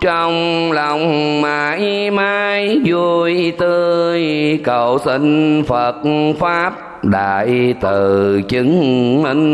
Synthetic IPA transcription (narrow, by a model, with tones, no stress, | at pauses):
t͡ɕɔ˧wŋ͡m | la˨˩wŋ͡mmaː˨˩ʔi˧maː˧jzu˧jt̪ɨ˧jkə˨˩wsi˧ŋfə˨˩t̚faː˦˥p̚ | ɗaː˧˨˩ʔi˧t̪ɨ˨˩t͡ɕɨ˨˦ŋmi˧ŋ